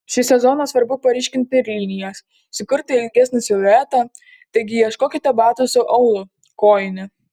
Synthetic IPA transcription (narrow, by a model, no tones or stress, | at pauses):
ʃʲɪsʲɛzoːnɐsʋɐɾbʊpɐɾʲiːʃʲkʲɪnʲt̪ʲɪɪɾʲlʲiːnʲɪjɛs | sʲɪkʊɾt̪ʲɐɪlʲɡʲɛsʲnʲɪsʲoʋʲæːt̪ɐ | t̪ɐɪɡʲɪiɛʃkoːkʲɪt̪ʲɐbɑːt̪ʊsʊʔɐʊlˠʊ | koːjɪnʲɪ